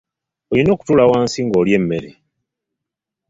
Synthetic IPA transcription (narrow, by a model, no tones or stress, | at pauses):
olino̞ːku̥tuːlawaːnsiŋɡo̞ːljemːe̞ɾe